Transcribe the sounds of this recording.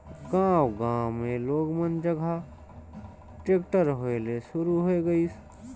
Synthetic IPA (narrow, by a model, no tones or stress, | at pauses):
ɡãːwɡãːwmẽloːɡmənd͡ʒəɡʱa | ʈeːkʈəɾɦoelesʊɾuɦoeɡəiːs